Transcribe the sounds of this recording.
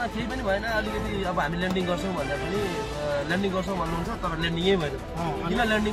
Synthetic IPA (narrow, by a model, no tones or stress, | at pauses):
akeipʌnibʱʌenʌːlikʌt̪iʌbʌɦamilaɳɖiŋɡʌrt͡sʰʌ̃w̃bʱʌnapʌni | laɳɖiŋɡʌrt͡sʰʌ̃w̃bʱʌnːuɦunt͡sʰʌt̪ʌɾʌlaɳɖiŋejbʱʌenʌ | imalaɳɖi